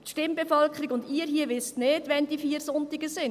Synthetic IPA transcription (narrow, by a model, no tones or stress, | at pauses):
tʃtɪmbefœlkʰəɾiɡʊndiːəɾɦiəʋɪstneːdʋɛnd̥ifiːəɾsʊntɪɡəsɪn